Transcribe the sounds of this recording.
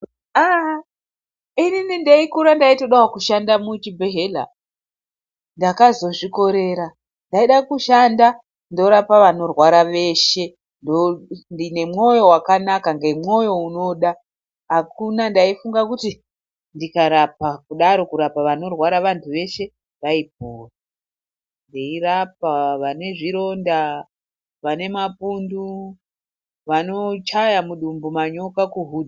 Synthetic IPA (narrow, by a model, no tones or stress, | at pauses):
a | ininindaikuɾandaito̞ɗawakuʃandamut͡ʃibʱeɦela̰ | ndakazo̞ʐiko̞ɾe̞ɾa | ndaiɗakuʃanda | ndo̞ɾapaʋano̞rwaɾaʋe̞ʃe̞ | ndondine̞mŋo̞jo̞wakanakaŋɡe̞mŋo̞jo̞uno̞ɗa | ɦakunandaifuŋɡakuti | ndikaɾapakuɗaɾo̞kuɾapaʋano̞rwaɾaʋantʰuʋe̞ʃe̞ | ʋaip̚oːra | ndeirap̚aʋane̞ʐiɾo̞nda | ʋane̞mapundu | ʋano̞t͡ʃajamuɗumbumaɲo̞kakuɦud